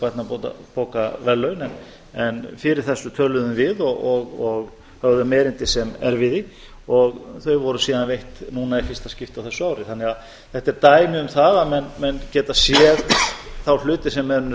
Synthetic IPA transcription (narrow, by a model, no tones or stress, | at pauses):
ajt̪napot̪a̰poːwkavɛlːœɥnɛn | ɛnfɪɾɪɾ̥θɛsːʏt̪ʰœlʏðʏmvɪðɔɣɔɣɔɣ | hœɣðʏmɛːɾɪnt̪ɪsɛmɛ̰ɾvɪði | ɔɣθœɥvɔɾʏsiːðanvejht̪nuːnaifɪst̪ascɪft̪awθɛsːʏawɾɪθanːɛɣa | θɛht̪ːɛɾt̪aːjmɪʏmθaːðamɛnmɛncɛːt̪asjɛðθawl̥ʏːt̪ɪsɛmɛɾ